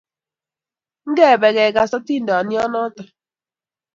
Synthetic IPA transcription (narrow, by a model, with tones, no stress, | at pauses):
ŋ̩˦ɡe˦˨be˨ɡe˨ɡa˨sɔ˦ti˦n̩˨˦dɔ˨nɪ˦ɔ˦nɔ˦tɔ˨